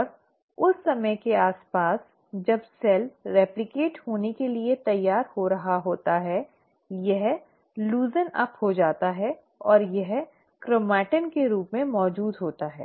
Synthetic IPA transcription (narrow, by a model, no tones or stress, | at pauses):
ɔːɾ | ʊsːɐməkeaːspaːs | d͡ʒɐbsɛlɾɛːplɪkeːʈhoːnekeliet̪ɐjːaːɾhoɾɐɦaɦoːt̪aɦɛ | jɐɦ | luːzənɐ̰phod͡ʒaːt̪aɦɛ | ɔːɾjɐɦ | kɾomɛːʈənkeɾuːpmẽmɔːd͡ʒuːd̪ɦoːt̪aɦɛ̰ː